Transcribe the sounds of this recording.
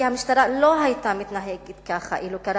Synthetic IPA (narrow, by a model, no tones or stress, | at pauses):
ihamiʃt̪aɾaloɦajt̪amit̪naɦeɡet̪kaχa̰ʔilukaɾ